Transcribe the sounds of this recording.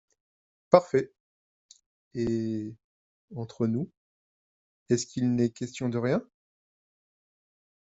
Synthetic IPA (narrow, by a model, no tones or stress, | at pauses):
paʁfɛ | e | ɑ̃t̪χənu | ɛskʰilnɛkʲɛst̪jɔ̃d̪əʁjɛ̃